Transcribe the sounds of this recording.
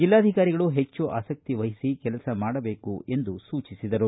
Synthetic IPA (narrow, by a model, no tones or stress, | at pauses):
d͡ʒilːaːd̪ʱikaːɾiɡɐɭuɦe̞t͡ʃːuʔa̰ːsɐk̚t̪iʋɐɦisikɛlɐsɐmaːɽɐbe̞ːkue̞nd̪usuːt͡ʃisid̪ɐɾu